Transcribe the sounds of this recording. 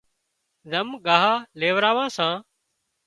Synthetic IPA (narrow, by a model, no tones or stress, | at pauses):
zəmɠaːɦaːleːʋɾaːʋãːsãː